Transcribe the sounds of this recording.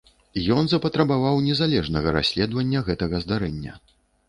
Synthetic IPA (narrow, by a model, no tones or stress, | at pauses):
jɔnzɐpɐt̪ɾɐbavawnʲɛzalʲɛʐnɐɣɐɾa̰sʲlʲɛd̪vɐnʲːɐɣɛt̪ɐɣɐzd̪aɾɛnʲːɐ̰